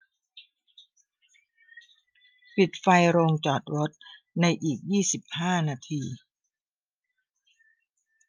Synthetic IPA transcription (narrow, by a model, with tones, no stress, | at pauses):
pi˨˩t̪̚fa˧jɾoː˧ŋt͡ɕɔː˨˩t̪̚ɾo˦˥t̪̚ | na˧jʔiː˨˩k̚jiː˥˩si˨˩p̚haː˥˩naː˧t̪ʰiː˧